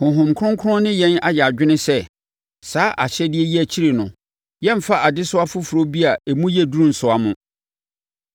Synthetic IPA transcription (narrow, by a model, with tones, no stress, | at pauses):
hʊ̃˨ɦʊ̃˨mkʰʊ̃˦ŋkʰʊ˦ʊ̃˦nɪ̃˦jɛ̃˦na˨jɛ˨a˨d͡ʑᶣɪ˦nɪ̃˦sɛ˦ | saː˦ʔa˨ɕɛ˦dɪ˦ɛ˦ji˦æ˨t͡ɕʰi˦ɾe˨nʊ̃˨ | jɛ̃˦m̩˦fa˦ʔa˨dɪ˦sʊ˦a˦fʊ˦fu˨ɾo˦bi˦a˨e˨mũ˦jɛ˦˨du˦ɾũ˦n̩˨sʊ˨a˨mʊ̃˨